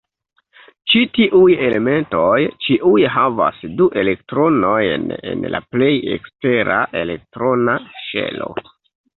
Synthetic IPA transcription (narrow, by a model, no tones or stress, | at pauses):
t͡ʃitiʔuje̞le̞me̞nto̞jt͡ʃiʔujɦava̰sduʔe̞le̞k̚tɾo̞no̞jne̞̰nla̰ple̞je̞̰kste̞ɾʔaʔe̞le̞k̚tɾo̞naʃe̞̰lo̞̰